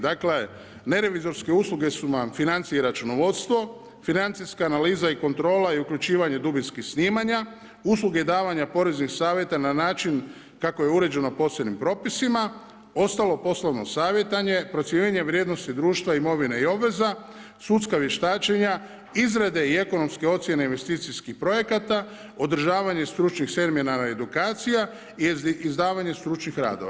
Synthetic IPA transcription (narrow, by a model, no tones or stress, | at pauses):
d̪akle̞ | ne̞ɾe̞ʋizo̞ɾske̞uːslˠuɡe̞sunamfinant̪sijeɾat͡ʃuno̞ʋo̞t̪st̪ʋo̞ | finant̪siskaːnaliːzaiko̞nt̪ɾo̞ːlaiukʎut͡ʃiːʋaɲe̞d̪ubinskixsniːmaɲa | us̬lˠuɡe̞d̪aːʋaɲapo̞ɾe̞znixsaːʋje̞t̪ananaːt͡ʃin | kako̞je̞uɾe̞d͡ʒe̞no̞po̞senimpɾo̞ːpisima | o̞st̪alˠo̞po̞slˠoʋno̞̰saːʋje̞t̪aɲe̞pɾo̞t̪sjeɲeɲe̞ʋɾjeːd̪no̞st̪id̪ɾuːʃt̪ʋaimo̞ʋineio̞bʋe̞za | sut̪skaʋje̞ʃt̪aːt͡ʃe̞ɲa | izɾed̪e̞ie̞ko̞no̞mske̞o̞t̪sʲje̞ne̞inʋe̞st̪iːt̪siskixpɾo̞je̞kat̪a | o̞d̪ɾ̩ʒaːʋaɲe̞st̪ɾut͡ʃnixse̞ɾmenaɾaed̪ukaːt̪sija | iizd̪aːʋaɲe̞st̪ɾut͡ʃnixɾa̰ːd̪oʋa